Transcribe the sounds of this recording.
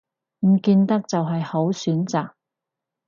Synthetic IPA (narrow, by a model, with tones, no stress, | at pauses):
m̩˨˩kiː˧nt̪ɐ˥k̚t͡sɐ˨wɦɐ˨jho˨˥wsyː˨˥nt͡saː˨˩k̚